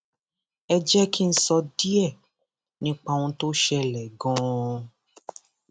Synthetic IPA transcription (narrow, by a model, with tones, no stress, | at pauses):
ɛ˧d͡ʒɛ˦ki˦n̩˦sɔ˧di˦ɛ˦˨ | nĩ˦k͡pa˧w̃ũ˧to˦ʃɛ˧lɛ˨ɡɔ̃˨˧˦